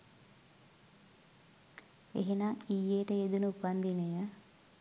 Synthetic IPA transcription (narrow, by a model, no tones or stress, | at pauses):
ḛɦenaijeːʈəed̪unupɐnd̪ineja